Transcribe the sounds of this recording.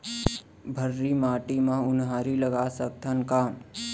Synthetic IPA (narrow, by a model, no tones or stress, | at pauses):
bʱəɾːimaːʈimãʊnɦaːɾiləɡasək̚t̪ʰənkaː